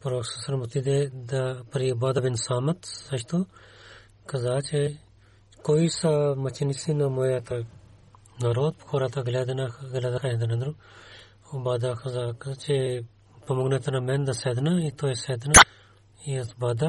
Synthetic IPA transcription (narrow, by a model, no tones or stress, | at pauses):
pɐɾoːksɐsɐɾmut̪id̪ed̪ɐpɐɾibad̪ɐbinsaːmɐt̪sɐʃt̪o | kɐzaːt͡ʃe | koisamɐt͡ʃinisinɐmoːjat̪ʰɐ | nɐɾoːd̪̚pxʰoɾat̪ɐɡlʲed̪nɐɡlʲad̪ɐkʰɐd̪ɐnɐnd̪ɾu | obaːd̪ɐkɐzaːkɐt͡ʃe | pɐmoɡnet̪ɐnɐmend̪ɐsed̪nɐit̪oːsed̪nɐ | iɐsbaːd̪ɐ